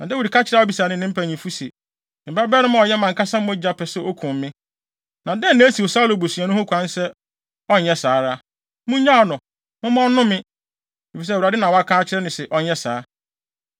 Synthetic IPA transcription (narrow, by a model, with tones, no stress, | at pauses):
nã˨dɛ˦wu˨di˨ka˦t͡ɕʰɪ˦ɾa˦ɔ˦bi˨saː˨nɪ̃˦˨nɪ̃˦m̩˦pʰæ˨ɲĩ˨fu˦sḭ˨ | m̩˨ba˦bɛː˦nʊ̃˦mã˦˨ɔ˨jɛ˦mã˨ŋka˦sã˦m˦õ˦d͡ʑa˦pʰɛ˨sɛ˨o˦kʰũ˨mː˦ɪ̃˦ | nã˨dɛ̃˦n˨nã˦si˨wo˨sa˦lo˨bo˨si˨a˨nʊ̃˦hʊ̃˦kʷʰã˨˦n˦sɛ˦ | ɔ˦n˨ɛ˦saː˨˦ɾa˦ | mʊ̃˦ɲã˦˨nʊ̃˨ | mʊ̃˦m˦ɔ̃˦nʊ̃˦mɪ̃˦ | e˨fi˨s̬ɛ˦˨a˨dɪ˦nã˨wɔ˨˦a˦kʰaː˦t͡ɕʰɪ˦ɾɛ˦nɪ̃˨sɛ˨ʔɔ˦ɛ˦sa̰ː˨˦